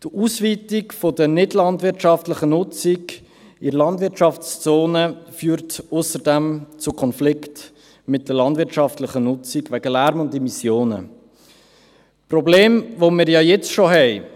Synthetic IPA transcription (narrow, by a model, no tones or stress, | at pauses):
d̥uːsviːtikfodənɪdlɑndvɪɾtʃɑftlɪχənʊt͡siɡ | ɪɾlɑndvɪɾtʃɑft͡st͡soːnəfyːɾtʊsəɾdɛmt͡sʊkʰɔnflɪkt | mɪt̚d̥əlɑndvɪtʃɑftləχənʊt͡siɡvæɡəlæɾmʊndɛmisjoːnə̰ | prɔbleːmvomɪːɾjɑːjɛt͡sʃoɦɛɪ